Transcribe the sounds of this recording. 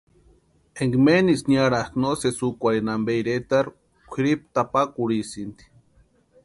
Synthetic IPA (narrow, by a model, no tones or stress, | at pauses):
eŋɡmenisnjaɾaknosesukʷainambejɾet̪aɾ | kʷʰiɾip̚t̪apakuɽisind̪i̥